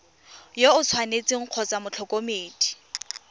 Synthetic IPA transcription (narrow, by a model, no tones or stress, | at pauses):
joʊt͡sʰwanet͡sʼɪŋ̩q͡χʰɔt͡samʊt͡ɬʰɔkʼomeːtʼi̥